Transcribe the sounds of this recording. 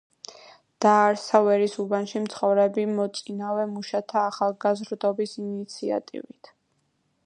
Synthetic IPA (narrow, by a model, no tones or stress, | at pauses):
d̪̥aːɾsavɛɾisubanʃimt̪sʰχɔvɾɛbimɔt̪sʼinavɛmuʃat̪ʰaːχalˠɡazɾd̪ɔbisinit̪sʰia̰t̪ʼḭvit̪ʰ